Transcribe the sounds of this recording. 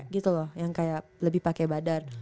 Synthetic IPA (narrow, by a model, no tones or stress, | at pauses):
ɡit̪ulɔhjaŋkajaʔləbɪhpakɛbadar